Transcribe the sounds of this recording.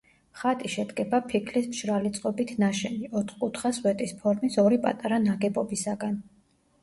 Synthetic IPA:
χat̪ʼiʃɛd̪ɡɛbapʰikʰlismʃɾalit̪sʼqʼɔbit̪ʰnaʃɛniɔt̪ʰχkʼut̪ʰχaswɛt̪ʼispʰɔɾmisɔɾipʼa̰t̪ʼaɾanaɡɛbɔbisaɡan

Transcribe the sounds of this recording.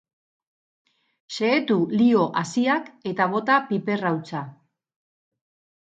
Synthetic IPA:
se̞ːt̪ulio̞ʔasiake̞t̪aβ̞o̞t̪apipe̞rawt͡sa

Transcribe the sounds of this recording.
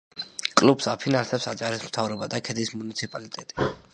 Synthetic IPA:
kʼlupsapʰinansɛpsat͡ʃʼaɾismt̪ʰavɾɔbad̪akʰɛd̪ismunit̪sʰipʼalit̪ʼɛt̪ʼi̥

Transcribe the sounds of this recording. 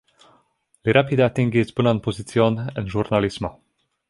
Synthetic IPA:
liɾapid̪at̪iŋɡisbənanpozit̪t͡sionɛnʒurnalismɔ

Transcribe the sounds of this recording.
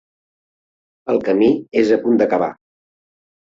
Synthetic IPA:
əlˠkəmiezəpund̪əkəβ̞a̰

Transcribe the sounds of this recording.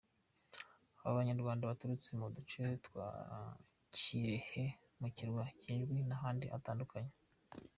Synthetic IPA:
aβaβaɲaɾɡwaːndaβatuɾut͡semudut͡ʃetwa̰ | ciɾehe | muciɾɡwaciːnʒɡwinaɦaːndiʔa̰taːndukaɲe

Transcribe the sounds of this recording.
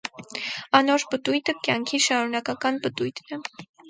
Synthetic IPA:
ɑnɔɾpət̪ujt̪əkjɑŋkʰiʃɑɾunɑkɑkɑnpət̪ujt̪ʰnɛ

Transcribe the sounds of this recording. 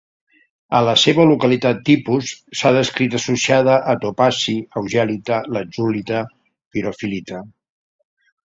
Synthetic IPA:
ələseβəlukəlit̪at̪ːipusːaðəskɾit̪əsusiaðəʔəːt̪opasiəwʒɛlit̪ələd͡ʒulit̪ə | piɾofilit̪ə

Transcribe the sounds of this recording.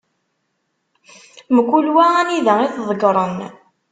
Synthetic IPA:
məɡʷːulwææniðæiθðˤəɡɾˤən

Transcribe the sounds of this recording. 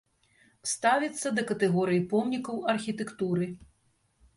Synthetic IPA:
st̪avʲit̪sːɐd̪ɐkɐt̪ɛɣɔɾɨjipɔmnʲikɐwɐrxʲit̪ɛkt̪uɾɨ

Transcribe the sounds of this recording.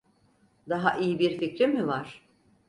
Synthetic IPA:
d̪aɦaʔijibiɾficɾimivaɾ̥

